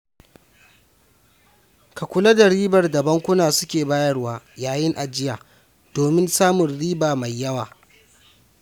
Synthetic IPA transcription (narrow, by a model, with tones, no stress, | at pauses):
ka˨kʷʊ˦lɐ˦da˨ɽiː˦bɐ˨rda˨bɐ˦ŋkʷʊ˦naː˨sʊ̥˦kʲeː˨baː˦jɐ˦rwaː˦jaː˨jɪ˦ŋʔa˨d͡ʒɪ˦jaː˨ | d̥oː˨mɪ˦nsaː˦mʊ˨nɽiː˦baː˨ma˨jːɐ˦waː˨